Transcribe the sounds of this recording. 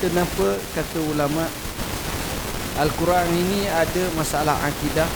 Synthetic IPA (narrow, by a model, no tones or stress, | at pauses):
t̪ənapəkat̪əulamaʔ | alkuɾaŋiniadəmasala̰ɦa̰kida